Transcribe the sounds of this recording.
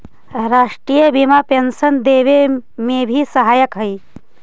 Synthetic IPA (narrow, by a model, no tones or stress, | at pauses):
ɾaːʂʈɾiːjəbimapensɐnd̪eːʋemebʱisɐɦaːjəkɦəj